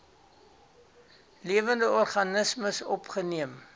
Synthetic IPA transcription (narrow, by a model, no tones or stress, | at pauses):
liəvəndəɔrχɐnəsməsɔ̰pχəniəm